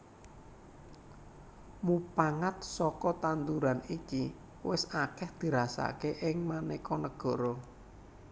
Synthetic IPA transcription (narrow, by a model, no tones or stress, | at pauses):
mupaŋat̪̚sɔkɔt̪and̪uɾaniki | wɪsakɛhd̪̥i̤ɾasa̰keʔɪŋmanekɔnəɡ̥ɔ̤ɾɔ